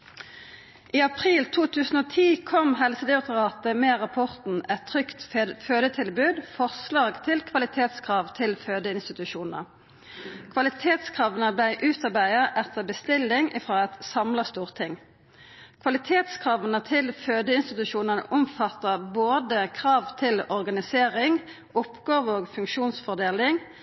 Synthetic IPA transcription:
ʔiːɑpʰʁiːlt̪ʰuːt̪ʰʉːsn̩oːt̪ʰiːkʰɔmɦɛlsəd̪ɪɑk̚t̪əʁɑːt̪əmeːʁɑpʰɔʁt̪n̩ɛt̪ʰːʁʏkt̪føːd̪ət̪ʰɪlbʉːd̪fɔʁslɑːɡt̪ʰɪlkʰʋɑlɪt̪ʰeːt̪skʰʁɑːʋt̪ʰɪlføːd̪əɪnst̪ɪt̪ʉʃuːnə̰ | kʰʋɑlɪt̪ʰeːt̪skʰʁɑːʋənəblæɪʔʉːt̪ɑʁbæɪɑʔɛt̪ʰːəʁbəst̪ɪlːɪŋʔɪfʁoːɛt̪sɑmlɑst̪uːʁt̪ʰɪŋ | kʰʋɑlɪt̪ʰeːt̪skʰʁɑːʋənət̪ʰɪlføːd̪əɪnst̪ɪt̪ʉʃuːnənə̰ʔʊmfɑt̪ːəboːd̪əkʰʁɑːʋt̪ʰɪlɔʁɡɑnɪseːʁɪŋ | ʊpɡɑːʋəoːɡfʉŋkʃuːnsfɔʁd̪eːlɪŋ

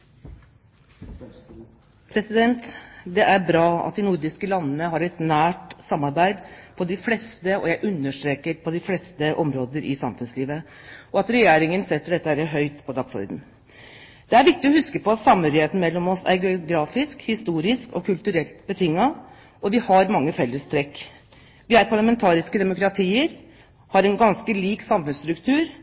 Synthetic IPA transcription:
pʰɾɛsɪd̪ɛnt̪d̪ɛʔæɾbɾɑːɑ̰t̪̚d̪ɪnʊɾɖɪskəlɑnːənəɦɑɾɛt̪næːʈsɑmːɑɾbæɪd̪pʰɔd̪ɪflɛst̪əɔ̰jæʔʉnːəʂʈ̪ɾeːkəɾpʰɔd̪ɪflɛːst̪əʔɔmɾoːd̪əɾʔɪ̰sɑmfʉnsliːʋə | ʔɔɑt̪ɾɛjeːɾɪŋənsɛt̪ːəɖɛt̪ːəhæɾəɦœʏt̪pʰɔd̪ɑksɔ̰ɾd̪n̩ | d̪̥ɛæɾʋɪk̚t̪ɪɔhʉskəpʰɔɑt̪sɑmhœɾɪheːt̪n̩mɛlːɔmɔsæ̰ɾɡɛʊɡɾɑːfɪskhɪst̪uːɾɪskɔ̰kʰʉlt̪ʉɾɛlt̪bət̪ʰɪŋːɑ | ʔɔʋɪhɑɾmɑŋːəfɛlːəst̪ʰɾɛkː | ʋɪæɾpʰɑɭɑmɛnt̪ʰɑːɾɪskəd̪ɛmʊkɾɑt̪ʰiːəɾ | hɑɾɛnɡɑnskəliːksɑmfʉnst̪ɾʉkt̪ʰʉːɾ

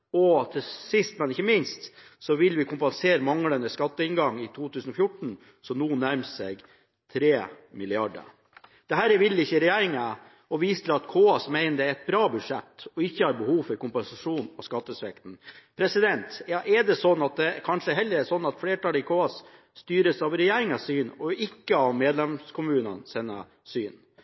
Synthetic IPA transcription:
ɔt̪ʰɪlsɪst̪mɛnɪçːəmɪnst̪ | sɔʋɪlʋɪkʰʊmpɛnseːɾəmɑŋlənəskɑt̪ːəɪnɡɑŋːɪt̪ʰuːt̪ʰʉːsnɔfjʊʈɳ̩ | sɔnuːnːæɾmsɛːɡ | t̪ʰɾeːmɪlɪɑɖə̰ | d̪̥ɛɦæːɾɛʋɪlːɪçːəɪɾɛjæːɾɪŋə | ɔʋiːsət̪ʰɪlɑt̪kʰoːɑsmæɪnəd̪ɛɾɛt̪̚bɾɑːbʉd̪ʂɛt̪ːɔɪçːəhɑɾbəhuːʋfœɾkʊmpɛnsɑʂuːnɔskɑt̪ːəsʋɛkt̪n̩pʰɾɛsɪd̪ɛnt̪jɑːʔɛɖɛsɔnːɑt̪̚d̪ɛkʰɑnʂəɛɦɛlːəɾɛsɔnːɑt̪fleːʈɑləɪkʰoːɑs | st̪yːɾəsɑʋɾɛjeːɾɪŋɑsyːnɔɪkːəɑʋmeːd̪lɛmskʰʊmʉːnə̰nsɛnːə̰ | syːn

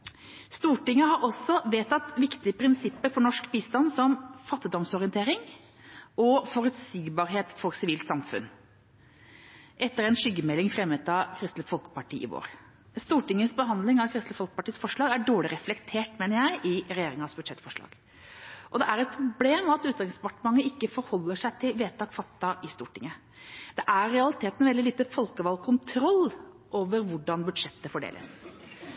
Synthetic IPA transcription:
st̪uːʈɪŋːəɦɑɾɔsːɔʋeːt̪ʰɑt̪ʋɪkt̪ɪəpʰɾɪnsɪpːəɾfɔɳɔʂkbiːst̪ɑnsɔmfɑt̪ːɪd̪ɔmsɔɾɪənt̪ʰeːɾɪŋ | ʔɔfɔɾʉt̪siːɡbɑːɾɦeːt̪fɔɾsɪʋiːlt̪sɑmfʉ̰n | ʔɛt̪ːəɾɛɪnʂʏɡːəmɛlːɪŋfɾɛmːət̪ɑkʰɾɪst̪ləfɔlkə̥pɑʈḭːɪ̰ʋo̰ːɾ | st̪uːʈɪŋːəsbəɦɑnd̪lɪŋɑʋkʰɾɪst̪əfɔlkəpɑʈiːsfɔʂɭɑːɡæɖoːɭɪɾɛflɛkt̪ʰeːʈmeːnəɾjæɪʔɪɾɛjeːɾɪŋɑsbʉd̪ʂɛt̪ːfɔʂɭɑ̰ːɡ̥ | ʔɔd̪ɛʔæɾɛt̪̚pʰɾʊbleːmɑt̪ʉːt̪ɑɪŋspɑʈəmɑŋːəɪkːəfɔɾhɔlːəʂæɪt̪ʰɪlʋeːt̪ʰɑːkfɑt̪ːɑʔɪst̪uːʈɪŋə | d̪̥ɛʔæɾːɛɑlɪt̪ʰeːt̪nʋɛld̪ɪliːt̪əfɔlkəʋɑlkʰʊnt̪ʰɾɔlː | ʔoːʋəɾʋʊɖɑnbʉd̪ʂɛt̪ːəfɔɖḛːlʔə̰s

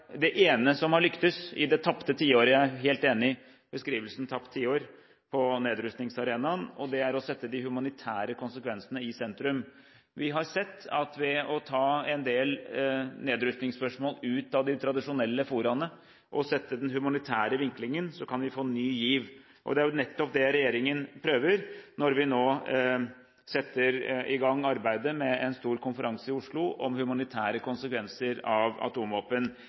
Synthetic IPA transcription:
d̪ɛʔeːnəsɔmhɑɭʏkt̪əsɪ̰d̪ɛt̪ʰɑpt̪ət̪ʰiːoːɾəjææɦeːlt̪eːnɪ | b̥əskɾiːʋəlsn̩t̪ʰɑpt̪ʰːiːoːɾ | pʰɔneːd̪ɾʉst̪nɪŋsɑɾeːnɑnɔd̪ɛæɾɔsɛt̪ːəd̪ɪhʉmɑnɪt̪ʰæːɾəkʰʊnsəkʋɛnsənəɪsɛnt̪ɾʉm | ʋɪɦɑɾsɛt̪ːɑ̰t̪ʋɛɔt̪ʰɑːɛnd̪eːlneːd̪ɾʉst̪nɪŋspœʂmoːlʉːt̪ɑʋd̪ɪt̪ʰɾɑd̪ɪʂʊnɛlːəfuːɾɑnə | ʔɔsɛt̪ːəd̪ɛnɦʉmɑnɪt̪ʰæːɾəʋɪŋklɪŋənsɔkʰɑnʋɪfoːnyːjiːʋ | ʔɔ̰d̪ɛæɾjʊnɛt̪ːɔp̚d̪ɛɾɛjeːɾɪŋənpʰɾøːʋəɾnɔɾʋɪnoː | sɛt̪ːəɾɪɡɑŋːɑɾbæɪd̪əmɛɛnst̪uːɾkʰʊnfəɾʔɑŋsəɪʊʂɭʊɔmhʉmɑnɪt̪ʰæːɾəkʊnsəkʰʋɛnsəɾɑʋɑ̰t̪ʰuːmʋoːpən

